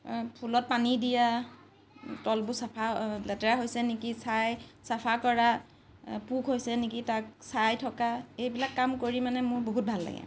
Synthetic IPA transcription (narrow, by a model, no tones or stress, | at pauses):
pʰulɔt̚panidija | tɔlbʊsapʰalɛtɛɹaɦojsɛnikisajsapʰakɔɹa | pukɦojsɛnikitaksajtʰɔkaejbilakːamkoɹimanɛmʊɹboɦut̚bʱalːa̰ɡɛ̰